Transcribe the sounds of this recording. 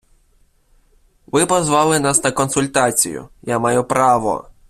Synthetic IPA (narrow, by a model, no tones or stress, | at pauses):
ʋɪpɔzʋɑlˠɪnɑsnɐkɔnsʊlʲt̪ɑt͡sʲḭjʊ̰jamɑjʊpɾɑʋɔ̰